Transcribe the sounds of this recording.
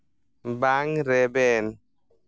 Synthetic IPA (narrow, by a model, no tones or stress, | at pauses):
mbaŋɾɛbɛn